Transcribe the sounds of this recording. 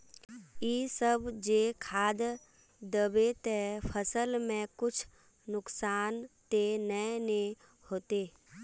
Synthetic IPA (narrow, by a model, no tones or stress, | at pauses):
iːsəbd͡ʒeːkʰaːd̪ | d̪əbet̪epʰəsəlmẽkʊt͡ʃʰ | nʊksaːnt̪enəne | hoːt̪eː